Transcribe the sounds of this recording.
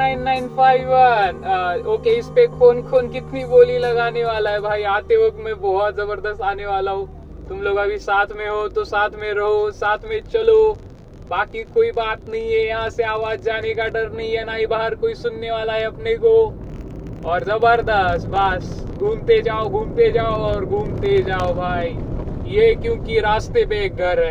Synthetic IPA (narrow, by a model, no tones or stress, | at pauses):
aɪnːaːɪnpʰaːɪʋənoːkeɪspekʰoːnkʰoːnkɪt̪niboːlilɐɡaːneʋaːlaɦɛbʱaːiaːt̪eokmẽbɔɦɔt̪zɐbəɾd̪əst̪aːneʋaːlaɦo | t̪ʊmloːɡɐbʱisaːt̪ʰmẽɦot̪osaːt̪ʰmẽɾɐɦosaːt̪ʰmẽt͡ʃɐlo | baːkikoːibaːt̪nɐɦĩɦɛjɐɦãseaːʋaːd͡ʒd͡ʒaːnekaɖəɾnɐɦĩɦɛnaːɦĩbaːɦəɾkoːisʊnːeʋaːlaɦɛɐpneko | ɔːɾzɐbəɾd̪əst̪bəstɡʱuːmt̪ed͡ʒaːoɡʱũːmt̪ed͡ʒaːoɔːɾɡʱuːmt̪ed͡ʒaːobʱaːijekjõːkiɾaːst̪epek̚ɡʱɐɾɦɛ